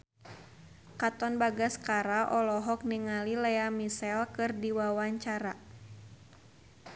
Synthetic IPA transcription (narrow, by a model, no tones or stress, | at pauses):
kat̪ɔnbaɡaskaɾaʔɔlɔɦɔk̚niŋalilɛamisɛlkɨrdiwawaɲt͡ʃaɾa